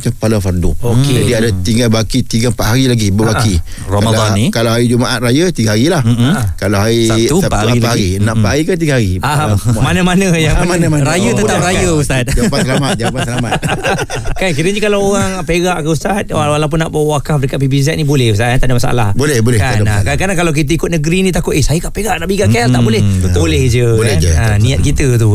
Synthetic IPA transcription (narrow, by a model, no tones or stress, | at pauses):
kapalafaɾduoked͡ʒadiadat̪iŋɡalbakit̪iɡəpaʔɦaɾilaɡibəbaki | okamdlaɔikalaɦaɾid͡ʒumaʔat̪̚ɾajət̪iɡahaɾilahkalawɦaɾiuapaiahaɾinaʔpaʔhaɾikant̪iɡahaɾiamanamanə̃jaamanamaɾajət̪əut̪aɾaəusat̪̚d͡ʒapasəlamat̪̚d͡ʒapasəlama | kank̬iɾəd͡ʒəkalawoɣaŋpeɡaʔkəust̪at̪̚wawalawp̬ʊnːaʔbawwakahbɾikaʔ̚pibis̬ɛt̪̚nibolɛhust̪at̪ant̪adəmasa̰ʔa̰la̰hbolɛbolɛkaandakankanakalawk̬it̪̬əikʊt̪̚nəɡɾinĩt̪akʊt̪esajəkaʔpeɡaʔnaʔbiɡaʔkalt̪aʔbolɛhətbolɛhd͡ʒəlɛanĩat̪̚kit̪ət̪̬u